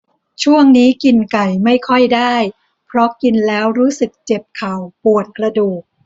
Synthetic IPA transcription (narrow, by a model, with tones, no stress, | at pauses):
t͡ɕʰu˥˩əŋniː˦˥ki˧nka˨˩jma˥˩jkʰɔ˥˩jdaː˥˩j | pʰɾɔ˦˥ki˧nlɛː˦˥wɾuː˦˥sɯ˨˩k̚t͡ɕe˨˩p̚kʰa˨˩wpu˨˩ət̪̚kɾa˧duː˨˩k̚